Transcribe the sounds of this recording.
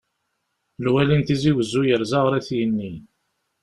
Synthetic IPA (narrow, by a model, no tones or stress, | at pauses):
lwælint̪iziwəzːujəɾzɑʁɾæθjənːi